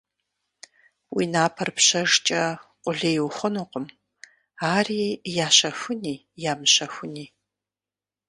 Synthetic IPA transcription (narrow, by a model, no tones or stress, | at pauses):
wḭːnaːpʰɐrpɕɐʐt͡ʃʼɐqʷʼʊɮeːjwχʷʊnoqʊm | aːriːjaːɕɐxʷʊniː | jaːmɨɕɐxʷʊniː